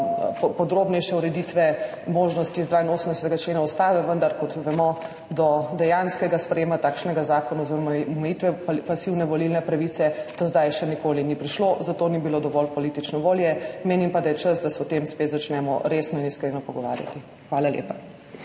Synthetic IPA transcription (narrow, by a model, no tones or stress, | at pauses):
pɔd̪ɾoːbnɛjʃɛuɾɛd̪it̪ʋɛ | moːʒnɔst̪izd̪ʋaːinoːsəmnd̪ɛsɛt̪ɛɡat͡ʃleːnaɔst̪aːʋɛʋənd̪aɾkɔt̪ʋɛmɔ | d̪ɔd̪ɛjanskɛɡaspɾɛjeːmat̪aːkʃnɛɡazaːkɔnazɔmɛjit̪ʋɛppasiwnɛʋɔlilnɛpɾaʋiːt̪sɛt̪ozd̪ajʃɛnikoːlinipɾiʃlozat̪oːnibilod̪ɔʋɔlpɔlit̪it͡ʃnɔʋoːljɛmeːnimpad̪ajɛt͡ʃəsd̪asɛɔt̪emspet̪zat͡ʃnɛmɔ̰ɾesnɔiniskɾeːnɔpɔɡɔʋa̰ːɾja̰t̪i | xʋaːlaljḛːpa